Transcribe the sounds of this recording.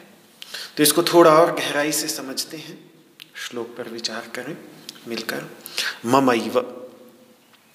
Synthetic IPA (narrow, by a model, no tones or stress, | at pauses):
t̪oɪskot̪ʰoːɽaɔːɾɡɛɦɾaːisesɐməd͡ʒʱt̪eɦɛ̃ | ʃloːk̚pɐɾʋɪt͡ʃaːɾkɐɾẽmɪlkəɾmɐməiʋə